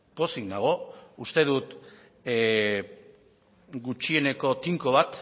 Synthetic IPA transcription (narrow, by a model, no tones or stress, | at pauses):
po̞siŋnaɣ̞o̞ust̪e̞ðut̪ | ɡut͡ʃie̞ne̞ko̞t̪iŋko̞β̞at̪